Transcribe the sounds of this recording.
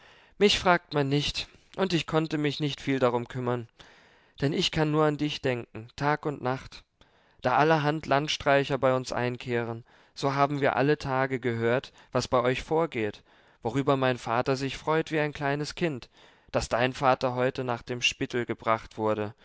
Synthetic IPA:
mɪçfʁ̥aːk̚tmanːɪçt | ʔʊntɪçkʰɔntəmɪçnɪçtfiːldaʁ̞ʊmkʰʏmɐn | d̥ɛnɪçkʰanːuːɐandɪçd̥ɛŋk̚ŋ̩tʰaːkʊntnaχt | d̥aːʔaləɦantlantʃtʁ̥aɪçɐbaɪʊnsʔa̰ɪnkʰeːʁ̞ən | z̥oːɦaːbm̩viːɐʔa̰lətʰaːɡəɡəɦøːɐt | v̥asb̥aɪʔɔʏçfoːɐɡeːt | v̥oʁ̞yːbɐmaɪnfaːtɐzɪçfʁ̥ɔʏtv̥iːaɪnkʰl̥aɪnəskʰɪnt | d̥asd̥aɪnfaːtɐɦɔʏtənaːχd̥eːmʃpɪtl̩ɡəbʁaχtv̥ʊɐɾə

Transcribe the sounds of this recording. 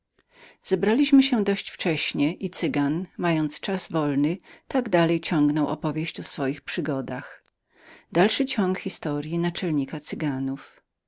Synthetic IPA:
z̥ɛbɾalʲiɕmɘɕɛd̪ɔɕt͡ɕft͡ʂɛɕɲɛʔit̪sɘɡanmajɔnt̪st͡ʂazvɔlnɘt̪aɡd̪alɛjt͡ɕɔ̃ŋɡnɔwɔ̰pɔvʲjeɕt͡ɕɔsfɔjixpʂɘɡɔd̪ax | d̪alʂɘt͡ɕɔ̃ŋkxʲist̪ɔɾʲjinat͡ʂɛlɲikat̪sɘɡanuf

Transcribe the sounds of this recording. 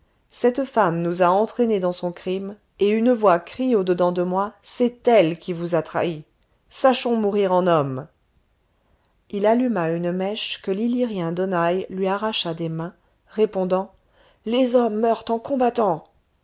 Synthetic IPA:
sɛt̪famnuzaɑ̃t̪χened̪ɑ̃sɔ̃kχim | eynəvwakχiod̪əd̪ɑ̃d̪əmwasɛt̪ɛlkʲivuzat̪χa̰i | saʃɔ̃muʁiʁɑ̃nɔm | ilalymaynmɛʃkəliliʁjɛ̃d̪ɔnajlɥiaʁaʃad̪emɛ̃ | ʁepɔ̃d̪ɑ̃ | lezɔmːœʁt̪ɑ̃kɔ̃bat̪ɑ̃

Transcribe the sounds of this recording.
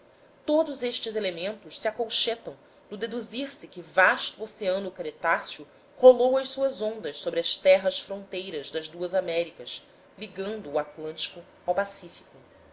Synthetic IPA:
t̪od̪ʊzeʃt͡ʃɪzelemẽnt̪ʊʃsiakowʃet̪ɐ̃w̃ | nʊd̪ed̪uziɾsɪkɪvaʃt̪uoseɐ̃nʊkɾet̪asiu | holowɐʃsuɐzõnd̪ɐʃsobɾɪɐʃt̪ɛɦɐʃsfɾõnt̪ejɾɐzd̪ɐzd̪uɐzamɛɾikɐs | liɡɐ̃nd̪ʊːat̪lɐ̃nt͡ʃi̥kʊ | awpasifi̥kʊ

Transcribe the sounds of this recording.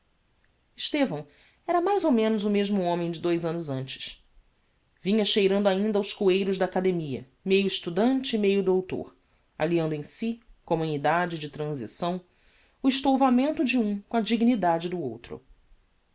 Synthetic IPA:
ɪʃt̪evɐ̃w̃ | ɛɾɐmajzowmẽnʊzʊmeʒmʊõmẽj̃d͡ʒɪd̪ojzɐ̃nʊzɐ̃nt͡ʃɪ̥s | vĩɲɐʃejɾɐ̃nd̪ʊaĩnd̪ɐawskuejɾʊzd̪ɐaːkad̪emiɐ̰ | mejʊiʃt̪ud̪ɐ̃nt͡ʃɪːmejʊd̪owt̪o̰ɾ | a̰liɐ̃nd̪ʊẽj̃sikomũnid̪ad͡ʒɪd͡ʒɪt̪ɾɐ̃zḭsɐ̃w̃ | ʊiʃt̪owvamẽnt̪ʊd͡ʒɪũkõɐd͡ʒiɡinid̪ad͡ʒɪd̪ʊowt̪ɾʊ̰

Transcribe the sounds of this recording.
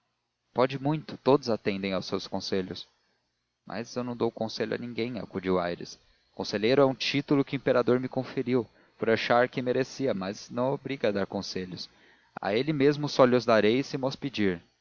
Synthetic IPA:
pɔd͡ʒɪmũj̃t̪ʊ̥t̪od̪ʊzat̪ẽnd̪ẽj̃awsewskõseʎʊs | mʔɐ̰zewnɐ̃w̃d̪owkõseʎʊɐ̰nĩŋɡẽj̃a̰kud͡ʒiwajɾɪ̰s | kõseʎejɾʊɛũt͡ʃit̪ʊlʊkɪʊĩpeɾad̪oɾmɪkõfeɾiw | poɾaʃaɾkɪmeɾesiɐmɐznɐ̃w̃obɾiɡɐd̪aɾkõseʎʊs | a̰elɪmezmʊsɔlɪʊzd̪aɾejsɪmɔsped͡ʒiɾ

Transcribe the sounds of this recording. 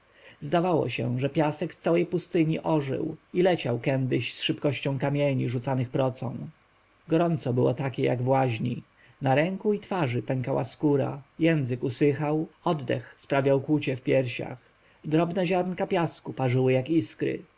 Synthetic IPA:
zd̪avawɔ̰ɕɛ̰ʐɛpʲjasɛkst̪sawɛjpust̪ɘɲiʔɔʐɘ̰wilɛt͡ɕawkɛnd̪ɘɕsʂɘpkɔɕt͡ɕɔ̃w̃kamʲjeɲiʐut̪sanɘxpɾɔt̪sɔ̰̃w̃ | ɡɔɾɔnt̪sɔbɘwɔ̰t̪akʲɛja̰ɡvwaʑɲḭ | naɾɛŋkuit̪faʐɘpɛŋkawa̰skuɾa̰jɛnzɘkusɘxawɔd̪d̪ɛ̰xspɾavʲjawkwut͡ɕɛfpʲjɛɾɕa̰x | d̪ɾɔbnɛʑaɾnkapʲjaskupaʐɘwɘjakiskɾɘ̰

